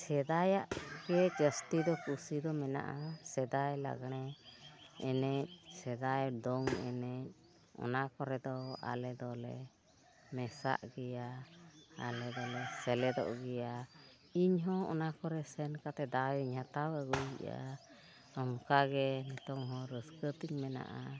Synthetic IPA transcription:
sɛd̪ajaʔɡɛd͡ʒəst̪id̪ɔkusid̪ɔmɛna̰ʔasɛd̪ajla̰ɡɽ̃ɛ | ɛnɛc̚sɛd̪ajd̪ɔŋɛ̰nɛc̚ | ɔ̰nakɔɾɛd̪ɔa̰lɛd̪ɔlɛ | mɛsa̰ʔɡɛja | a̰lɛd̪ɔlɛsɛlɛd̪ɔ̰ʔɡɛja | iɲɦɔ̃ɔ̰nakɔɾɛsɛnkat̪ɛd̪awiɲhat̪awəɡujɡiʔa̰ | ɔmkaɡɛnɛt̪ɔŋɦɔ̃ɾəskət̪iɲmɛna̰ʔa

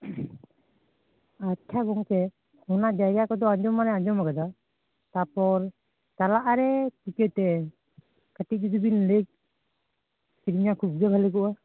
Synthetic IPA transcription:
at̚kʰaɡɔŋt̪ɛ | unaʔd͡ʒajɡakɔd̪ɔad͡ʒɔmanɛad͡ʒɔmaɡad̪a | t̪apɔɾ | t̪alaʔaɾɛtikɛt̪ɛ | kaʈik̚d͡ʒud̪ubinlek̚ | siɾiɲakʰub̚ɡɛbʱalɛkɔʔa

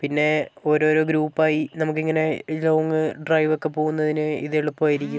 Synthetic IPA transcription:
pinːe̞o̞ːɾo̞ːɾo̞ːɡɾuːpːaːjinɐmuk̬ːiŋːɐne̞loʋŋːɨɖrɐjʋokːe̞po̞ːɣunːɐðinɨiðeɭupːoaːjiɾikʲːum

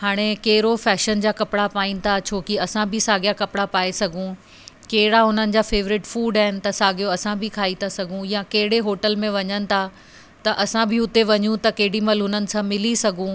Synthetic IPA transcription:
haːɽ̃ekɐɦɪɾofɛːʃənd͡ʑaːkɐpɪɽapaːĩnɪ̆t̪ʰat͡ɕʰoːkiɐsãbʱɪsaːɡijakɐpɪɽapaːesɐɡʱũ | kɐɦɪɽaɦʊnənɪ̆d͡ʑaːfeːʋɾɪʈfuːɖaːɦɪnɪ̆t̪ɐsaːɡijoɐsãbʱɪkʰaːit̪ʰasɐɡʱũjãkɐɦɪɽeɦoːʈəlmẽʋɐɲənɪ̆t̪ʰa | t̪ɐʔɐsãbʱɪʊt̪eʋɐɲũt̪ɐkɐɦɪɽimɐlɦʊnənɪ̆sãmɪlisɐɡʱũ

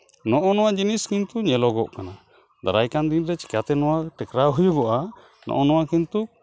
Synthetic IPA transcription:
nɔʔɔnɔwad͡ʒiniskint̪uɲɛlɔɡɔʔkana | d̪a̰ɾajkand̪inɾɛt͡ʃi̥kat̪ɛnɔwaʈɛkɾaɦujuɡɔʔa | nɔ̰ʔɔnɔwakint̪u

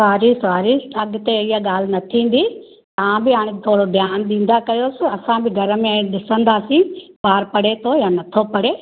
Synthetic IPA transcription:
saːɾisʋaːɾiɐɠt̪eɪɦaɠaːl̤ɪnɐt̪ʰĩːn̆d̪i | t̪ɐʋãbɪaːɽ̃et̪ʰoːɽoɖjaːnɗĩːn̆d̪akɐjoːsɪ̆ɐsãbɪɡʱɐɾəmẽɗɪsə̃nd̪aːsĩpaːɾpɐɽet̪ʰojaːnɐt̪ʰopɐɽeː

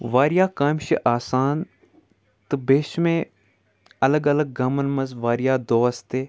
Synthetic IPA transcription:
ʋaːɾɪjaːkaːmʃiʔaːsaːn | t̪ɨbeːʃmẽ | ɐləɡɐləɡ̚ɡɐmənmɐzʋaːɾɪjaːd̪oːst̪eː

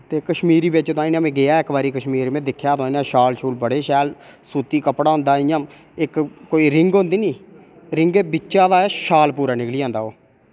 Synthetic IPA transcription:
t̪eːkəʃmiːɾiːbɪt͡ʃt̪oãːiːnãːmẽːɡɪaːɪkbaːɾiːkəʃmiːɾmẽːd̪ɪkʰːjaːt̪oaːiːnãːʃaːlt͡ʃʰuːlbəɽeːʃɛːlsuːt̪iːkəpɽaːɦʊ̃nd̪aːɪjãː | ɪkkoːiːɾɪŋɡɦʊ̃nd̪iːnĩː | ɾɪŋɡeːbɪt͡ʃːʃaːd̪aːʃaːlpuːɾaːnɪkliːãːnd̪aːoː

